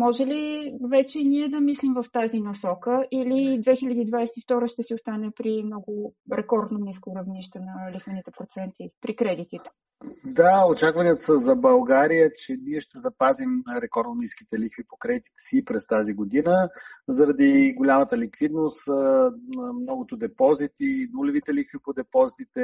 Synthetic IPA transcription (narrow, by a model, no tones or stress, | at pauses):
mɔʒɛlivɛt͡ʃɛiniɛd̪ɐmislimvəft̪azinɐsɔkəʔilid̪vɛxilʲɐd̪iːd̪vajsɛt̪ift̪ɔɾəʃt̪ɛsiost̪anɛpɾimnɔɡʊɾɛkɔɾd̪noniskoɾɐvniʃt̪ɛnɐlixvənit̪ɛpɾot̪sɛnt̪ipɾikɾɛd̪it̪iɛ̥ | d̪aot͡ʃakvəniət̪səzɐbɐlˠɡaɾijət͡ʃɛniɛʃt̪ɛzɐpazimɾɛkɔɾd̪noniski̥t̪ɛlixvipokɾɛd̪it̪i̥t̪ɛ̥sipɾɛst̪aziɡod̪inəzɐɾɐd̪iɡolʲamət̪əlikvid̪nost̪ | mnɔɡot̪od̪ɛpɔzit̪inulɛvit̪ɛlixvipod̪ɛpɔzit̪it̪ɛ